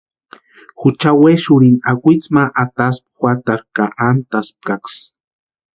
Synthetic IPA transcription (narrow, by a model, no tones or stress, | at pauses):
xut͡ʃaweʃʊɾinakʷit͡smaʔat̪asp̚xʷwʷat̪aɾkaʔant̪asp̚kaks